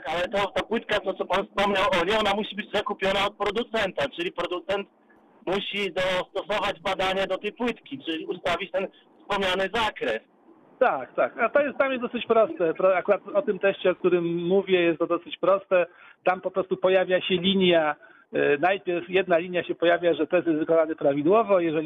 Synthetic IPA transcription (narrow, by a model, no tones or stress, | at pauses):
akalɛt̪ɔt̪apwɘt̪kat̪ɔt̪sɔpanfspɔmɲawʔɔɲɛɔnamuɕibɘd͡ʑzakupʲjɔnaɔt̪̚pɾɔd̪ut̪sɛnt̪at͡ʂɘlʲipɾɔd̪ut̪sɛnt̪ | muɕid̪ɔst̪ɔsɔvad͡ʑbad̪aɲɛd̪ɔt̪ɛjpwɘt̪kʲit͡ʂɘlʲiust̪avʲit͡ɕt̪ɛn | fspɔmɲanɘzakɾɛs | t̪akt̪akat̪ɔjɛst̪t̪amjɛsd̪ɔsɨt͡ɕpɾɔst̪ɛpɾɔakuɾat̪ɔt̪ɘmt̪ɛɕt͡ɕɛɔk̚t̪uɾɘmːuvʲjɛjɛst̪ːɔd̪ɔsɘt͡ɕpɾɔst̪ɛ | t̪ampɔpɾɔst̪upɔjavʲjaɕɛlʲiɲja | najpʲjɛɾfjɛd̪nalʲiɲjaɕɛpɔjavʲjaʐɛt̪ɛs̬jɛzvɘkɔnanɘpɾavʲid̪wɔvɔjɛʐɛ